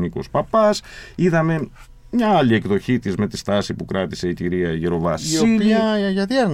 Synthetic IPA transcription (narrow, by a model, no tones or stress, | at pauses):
niko̰spɐpɐsiðɐme̞ | mɲɐɐlie̞kðo̞çit̪izme̞t̪ist̪ɐsipukɾɐt̪ise̞iciɾiɐʝiɾo̞vɐsoiiɐʝɐðiɐɾn